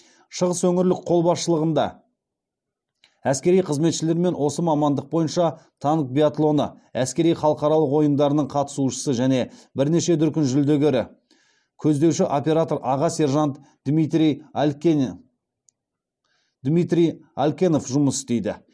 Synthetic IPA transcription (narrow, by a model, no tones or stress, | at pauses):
ʃəʁəswɵŋɪɾlɪk̚qʰo̞lˠbɑsʃəlˠəʁənd̪ɑ̰ | æskʲe̞ɾijqʰəzme̞t̪ʃɪle̞ɾme̞nwo̞səmɑmɑnd̪əq̚bo̞jənʃɑt̪ʰɑŋk̚biat̪lˠo̞nə | æskʲe̞ɾijχɑlˠəqɑɾɑlˠəqwo̞jənd̪ɑɾənəɴqʰɑt̪ə̥suʃə̥səʒæne̞bɪɾne̞ʃe̞d̪ʏɾkʲɪnʒʏld̪e̞ɡʲe̞ɾɪ | kʲʰɵzd̪e̞wʃɪʔo̞pʲe̞ɾat̪o̞ɾʔɑʁɑse̞ɾʒɑnt̪ | d̪mit̪ɾij | d̪mijt̪ɾʲijalʲkʲe̞no̞fʒʊməsd̪e̞jd̪ɪ̰